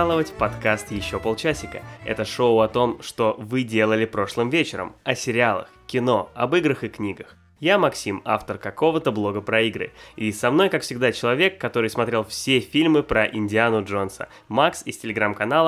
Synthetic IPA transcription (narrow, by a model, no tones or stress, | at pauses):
lˠəvətʲpɐt̪kast̪jɪɕːo̞polˠt͡ɕasʲɪkə̰ɛ̰t̪əʂo̞ʊɐt̪o̞mʂt̪o̞vɨdʲe̞lˠəlʲɪpɾo̞ʂlˠɨmvʲet͡ɕɪɾə̰mɐsʲɪɾʲɪalˠə̰xkʲɪno̞ɐbɨɡɾəxɨknʲiɡəx | jamɐksʲima̰ft̪ərkɐko̞vət̪əblˠo̞ɡəpɾɐiɡɾɨ̰isɐmn̪o̞jkakfsʲɪɡ̚d̪at͡ɕɪlˠɐvʲe̞kːɐt̪o̞ɾɨjsmɐt̪ɾʲe̞lˠfsʲefʲilʲmɨpɾəʔɪnʲdʲɪanʊʐo̞nsə̰ | maksɪsʲtʲɪlʲɪɡɾamkɐnalˠə